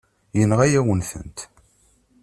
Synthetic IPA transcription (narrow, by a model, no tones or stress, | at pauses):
jənʁæjæwənθə̰nt̪